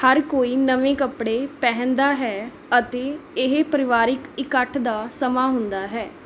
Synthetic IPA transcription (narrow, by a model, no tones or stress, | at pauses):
həɾkoːiːnəʋẽːkəpɽeːpɛɦə̃nd̪aːɦɛː | ət̪eːɪɦpəɾɪʋaːɾɪkɪkəʈʰd̪aːsəmaːɦʊnd̪aːɦɛː